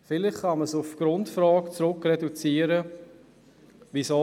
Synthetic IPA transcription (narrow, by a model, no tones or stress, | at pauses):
fɪlɪχkɑməsʊfɡ̥ɾʊntfrɑːkt͡sɾʊkrɛdut͡siːəɾə | ʋiso